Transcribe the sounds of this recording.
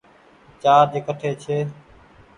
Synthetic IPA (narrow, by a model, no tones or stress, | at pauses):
t͡ʃaːɾd͡ʒeːkəʈʰeːt͡ʃʰeː